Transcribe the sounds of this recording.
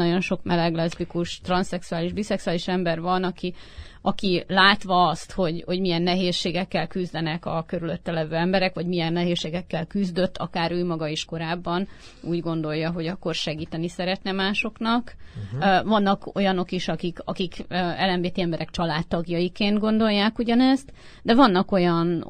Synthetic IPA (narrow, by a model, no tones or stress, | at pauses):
ɒɟo̞nʃo̞kmɛlɛɡlɛzbikuʃt̪rɒnsɛksuaːliʒbisɛksuaːliʃɛmbɛrvɒnɒkiɒkilaːt̪ʋɒːst̪ho̞ɟho̞ɟmijɛnːɛɦeːʃːeːɡɛkːɛlkyzd̪ɛnɛkɒkø̞ɾylø̞t̪ːɛlɛvøːɛmbɛɾɛkʋɒɟmijɛnːɛɦeːsːeːɡɛkːɛlkyzd̪ø̞t̪ːɒ̰kaːɾøːmɒɡɒeʃko̞ɾaːbːɒn | uːɟɡo̞n̪d̪o̞jːɒɦo̞ɟɒkːo̞rʃɛɡiːt̪ɛnisɛɾɛt̪nɛmaːʃo̞knɒk | vɒnːɒko̞̰jɒno̞kiʃɒkikɒ̰kikːɛlːɛɱveːt̪iɛmbɛɾʔɛkt͡ʃɒlaːt̪ːɒɡjɒjikeːnd̪ɡo̞nd̪o̞jːaːkuɟɒnɛzt̪ | d̪ɛvɒnːɒko̞jɒn